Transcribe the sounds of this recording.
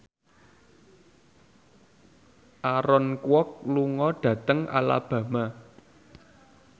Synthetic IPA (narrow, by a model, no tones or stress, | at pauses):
ʔaɾɔnkwɔk̚luŋɔɖ̥ä̤t̪əŋʔa̰la̰b̥ä̤ma